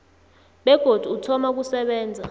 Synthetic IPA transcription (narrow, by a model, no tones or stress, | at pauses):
ɓɛɡ̥ʱod̥ʱuutʰɔmak̬usɛɓɛːnd͡zʱa